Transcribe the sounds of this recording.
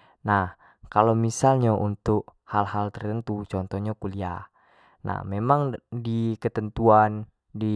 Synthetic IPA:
nah | kalomisalɲaʔunt̪ʊk̚halhalt̪ərt̪ənt̪ut͡ʃɔnt̪ɔhɲakuliah | na̰hmemaŋdikət̪ənt̪uan | di

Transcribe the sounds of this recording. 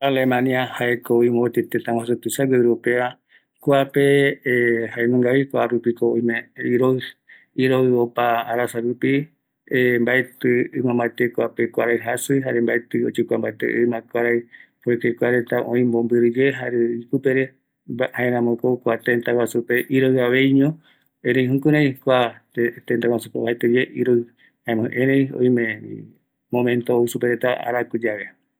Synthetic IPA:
alemãniahaekooĩmot̪et̪et̪awasut̪ɨsaɡeɾopeβa | koape | haenũŋɡaβikwaɾupikooĩmẽiɾoɨ | iɾoɨopaːɾasaɾupi | embaet̪ɨɨmãmbat̪ekwapekʷaɾajɦasɨɦaɾembajt̪ɨot͡ʃukʷambajt̪ḛʔɨmãkʷaɾajpoek̪ekʷaɾet̪aʔõĩmbombɨɾɨd͡ʒeɦaɾeipɨpeɾe | haẽɾãmõkokʷat̪ent̪awasupe̞ʔiɾoɨaβe̞jɲõ | ẽɾẽj̃ɦũkuɾãj̃kʷat̪ent̪awasupeβaet̪ɨd͡ʒeʔiɾo | hãmõʔẽɾejo̰jmẽḭ | mõmẽnt̪ousupeɾet̪aa̰ɾakud͡ʒaβe

